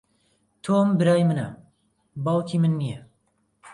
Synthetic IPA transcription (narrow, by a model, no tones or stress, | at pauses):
t̪ʰombɨɾaːjmɨnɐ | bɑːwkʰimɨnːije